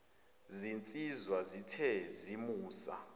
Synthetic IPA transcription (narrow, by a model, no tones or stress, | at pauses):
zint͡sʼizwazitʰɛzimuːsa̰